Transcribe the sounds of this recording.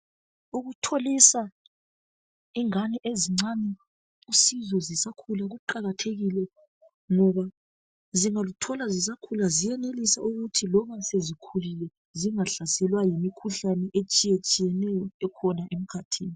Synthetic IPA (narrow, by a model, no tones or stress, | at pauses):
uɣutʰolisa | iŋanɛʔeziŋ͡ǀanɛ | usizɔzisakʰulaɣuǃaɣatʰeɣilɛ | ŋɔβa | ziŋalutʰɔlazis̬akʰulazijɛnelisaʔuɣutʰilɔβasezikʰulilɛ | ziŋaɬasɛlwajimikʰuɬanɛʔet͡ʃʼijet͡ʃʼijɛnɛjɔɛkʰɔnaʔem̩kʰatʰiːni